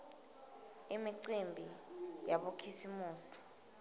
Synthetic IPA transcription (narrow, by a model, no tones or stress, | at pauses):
imiǀimbʱijaɓokʰisimuːsi̥